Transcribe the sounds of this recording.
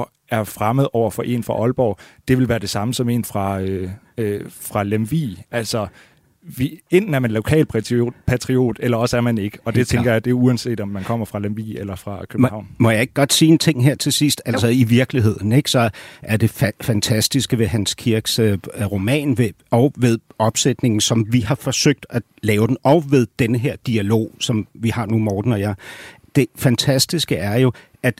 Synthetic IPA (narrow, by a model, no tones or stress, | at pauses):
æɐfʁaməð̞ˠɒʊ̰ɐfɒ̽ʔe̝̰ːnfʁɑ̈ʔɒ̽lb̥ɒʊ̰d̥e̝ʋe̝lʋæːɐd̥e̝sɑ̈məsɒ̽me̝̰ːnfʁɑ̈ø | øfʁɑ̈lemʋḭːʔælsɒ̽ | ʋien̰d̥n̩æɐmænlo̝kʰɛ̰ːlpʰæpʰæt͡sʰʁio̝̰ːd̥elɐɒ̽səæɐmæne̝ɡ̥əɒ̽d̥e̝t͡sʰeŋɡ̥ɐjɑ̈ɪd̥e̝uænse̝̰ːd̥ɒ̽mːænkʰɒ̽m̰ɐfʁɑ̈lemʋḭːelɐfʁɑ̈kʰøbmhɑ̈ʊ̰nmɒ̽jɑ̈e̝ɡ̥̚ɡ̥ɒ̽d̥siːent͡sʰe̝ŋ̰ɦeɐ̰t͡sʰe̝sisd̥ælsɒiʋiɐɡ̥liɦe̝ð̞̰ˠn̩eɡ̥sɒ̽ʔæɐd̥e̝fæfænt͡sʰæsd̥isɡ̥əʋe̝ɦænskʰiɐɡ̥søʁo̝mɛ̰ːnʋe | ɒ̽ʊʋe̝ð̞ˠɒ̽b̥sed̥ne̝ŋn̩sɒ̽mʋihɑ̈fɒ̽søɡ̥̚d̥æ̥ | lɛːʊd̥en̩ɒ̽ʊʋe̝ð̞ˠd̥enəɦeɐ̰d̥iælo̝̰ːsɒ̽mʋihɑ̈numɒːd̥n̩ɒ̽jæd̥e̝fænt͡sʰæsd̥isɡ̥əæɐjo̝ | æd̥